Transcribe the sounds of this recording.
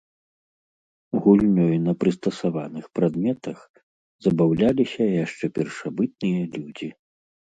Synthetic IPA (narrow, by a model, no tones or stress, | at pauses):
ɣulʲnʲɔjnɐpɾɨst̪ɐsavanɨxpɾad̪mʲɛt̪ɐx | zɐbawlʲalʲisʲɐjaʂt͡ʂɛpʲɛrʂabɨt̪̚nɨjɐlʲud͡zʲi